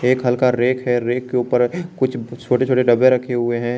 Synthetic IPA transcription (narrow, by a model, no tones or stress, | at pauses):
eːkɦɐlkaɾeːkɦɛɾeːkːeuːpəɾkʊt͡ʃʰt͡ʃʰoːʈet͡ʃʰoːʈeɖɐbẽɾɐkʰeɦʊeɦɛ̃ː